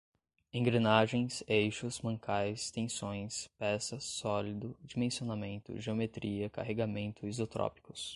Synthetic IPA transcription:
ẽŋɡɾenaʒẽj̃sejʃʊsmɐ̃ŋkʰajst̪ẽsõj̃spɛsɐsɔlid̪ʊd͡ʒimẽsionamẽnt̪ʊ̰ʒeomet̪ɾiɐka̰ɦeɡamẽnt̪ʰʊizot̪ɾɔ̰pi̥kʊs

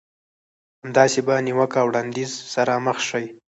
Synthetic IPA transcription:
hamd̪ɑsebaniwəkawɽɑnd̪izsaɾaməxʃaj

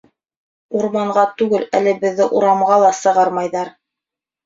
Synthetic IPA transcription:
uɾmɑɴʁɑt̪ʉɡɘlælɘbɘ̆ðːɘʔuɾɑmʁɑlˠɑsɤ̆ʁɑɾmɑjðɑɾ

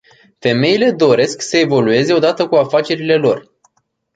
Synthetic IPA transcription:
fe̞me̞ile̞d̪o̞ɾe̞sksəe̞vo̞lue̞ze̞o̞d̪at̪əkuafat͡ʃe̞ɾile̞lo̞r

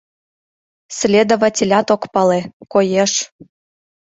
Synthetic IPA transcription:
slʲed̪ovatʲelʲɑt̪okpɑlekojeʃ

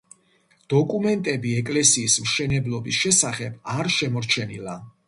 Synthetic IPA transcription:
d̪̥ɔkʼumɛnt̪ʼɛbiɛkʼlɛsiːsmʃɛnɛblˠɔbisʃɛsaχɛbaɾʃɛmɔɾt͡ʃʰɛnila

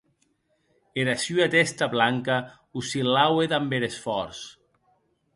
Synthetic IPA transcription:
eɾasyat̪est̪aβlaŋka | usilaweðambeɾesfɔɾs

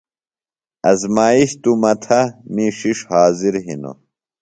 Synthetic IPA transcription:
ɐzmaːiɕt̪umɐt̪ʰɐmiʂiʂhaːziɾɦḭno̰

